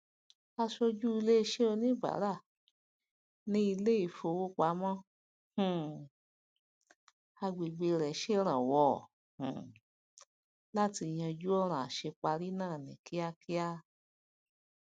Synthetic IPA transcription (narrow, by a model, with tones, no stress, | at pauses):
a˧ʃo˧d͡ʒu˦i˧le˦i˧ʃe˦o˧nĩ˦ba̰˨˦ɾa˦˨ | nĩ˦i˧le˦i˦˧˨fo˧wo˦k͡pa˨˦mɔ̃˦ | hũ˨ | a˧ɡ͡be˨ɡ͡be˧ɾɛ˨ʃe˦ɾ̃ã˨wɔ˧˦˨ | h̩˨ | la˦ti˧˨j̃ã˧d͡ʒu˦ɔ˦ɾ̃ã˨a˨ʃe˧k͡pa˧ɾi˦nãː˦˨nḭ̃˨ki˦a˧ki˦a˦